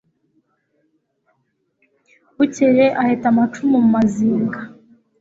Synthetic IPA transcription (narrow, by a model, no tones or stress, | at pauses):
uceɾeʔahetamat͡ʃumumumaziːŋɡa